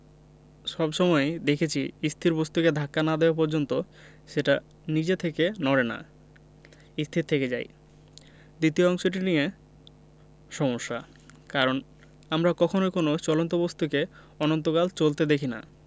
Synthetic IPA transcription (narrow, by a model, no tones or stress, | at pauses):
ʃɔbʃɔmɔed̪ekʰet͡ɕʰiist̪ʰiɾbost̪uked̪ʱakːanad̪eoap̬oɾd͡ʑont̪o | ʃeʈa | nid͡ʑet̪ʰekenɔɾena̰ | ist̪ʰit̪ʰːeked͡ʑa̰j | d̪it̪ioɔŋʃoʈinie | ʃɔmoʃːa̰ | kaɾon | amɾakɔkʰonokonot͡ɕɔlont̪obost̪uke | ɔnont̪okalt͡ɕolt̪ed̪ekʰina̰